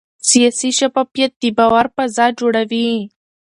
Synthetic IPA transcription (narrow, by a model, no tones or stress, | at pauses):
sijasiʃapapjat̪̚d̪ibawaɾpazɑd͡ʒoɽawi